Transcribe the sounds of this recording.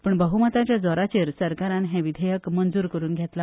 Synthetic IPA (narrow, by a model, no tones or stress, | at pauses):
pəɳbəɦumət̪at͡ɕjad͡zɔɾat͡ɕeɾsəɾkaɾãnɦẽʋid̪ʱəjəkmənd͡zuːɾkəɾuːnɡʱet̪la